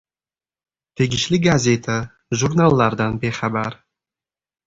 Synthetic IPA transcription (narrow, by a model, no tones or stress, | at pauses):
t̪ʰeɡʲɪʃlɪɡazʲet̪ʰa | ʒuɾnalˠːaɾd̪anbeχabaɾ